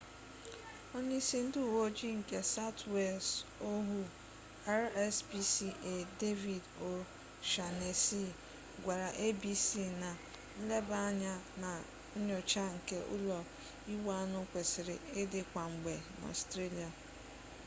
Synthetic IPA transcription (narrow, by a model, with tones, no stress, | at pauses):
ɔ˦ɲi˦si˦n̩˦dɪ˦˨wo˦d͡ʒi˦ŋ̩˨ke˦sa˦twe˦˨lso˦ɦu˦ | a˦ɾɛ˦sbi˦si˦ʔe˨de˦vi˨do˨ | ʃa˨ne˨si˦ | ɡʷa˨ɾa˨ʔe˦bi˦si˦na˨˦ | le˦ba˦ɲa˦na˨ | o˦ɲɔ˨t͡ʃa˦ŋ̩˨ke˦ʔʊ̰˦lɔ˨ | i˦wa˦nʊ˦kʷe˨sɪ˨ɾɪ˨e˦dɪ˨kʷa˨ŋ͡m̩˨ɡ͡be˨ma̰˨stɾe˦li˨a˨